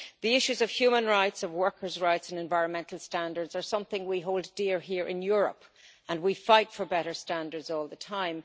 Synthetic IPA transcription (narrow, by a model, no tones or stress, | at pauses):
ðiɪʃʉzəv̥hjʉmə̃nɹaɪtsʌvwɜ˞kʰə˞zɹaɪtsə̃nɛ̃ɱvaɪɹə̃nmɛ̃ntʰˡl̩ˠstãndə˞dzə˞sʌ̃mθɪ̃ŋwiɦoʊlˠddɪɹɦiɹʔɪ̰̃njʊɹə̰p | ə̃nwifaɪtfə˞bɛɾə˞stãndə˞dzɔːlˠðətʰãɪ̃m